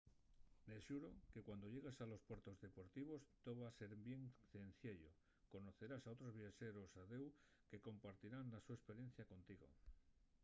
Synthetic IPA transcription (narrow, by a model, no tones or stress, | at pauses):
nesuɾoke̞kwand̪o̞ʎe̞ɣ̞esalo̞spwe̞ɾt̪o̞zðe̞po̞ɾt̪iβ̞o̞st̪oβase̞ɾbje̞ŋθen̟θjeʎo̰ | ko̞no̞θe̞ɾasaot̪ɾo̞zβjat͡ʃe̞ɾo̞saðe̞w | ke̞ko̞mpaɾt̪iɾanlasue̞spe̞ɾje̞n̟θjako̞nt̪iɣo̞̰